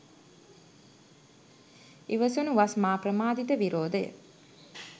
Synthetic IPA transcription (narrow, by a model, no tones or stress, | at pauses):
iʋəsunuʋasmaːprəmaːd̪it̪əʋiɾoːd̪əjə̰